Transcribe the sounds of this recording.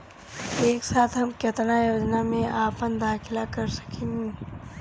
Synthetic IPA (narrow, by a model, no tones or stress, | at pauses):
eːksaːt̪ʰɦɐmkɐt̪najoːd͡ʒnamẽʔaːpənd̪aːkʰɪlakɐɾsɐ̥kʰẽːŋɡe